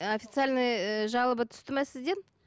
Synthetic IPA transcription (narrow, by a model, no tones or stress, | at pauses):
ofʲit̪sɨalʲnɨjʒɑlˠəbət̪ʰʏ̥st̪ɪmæsɪzd̪en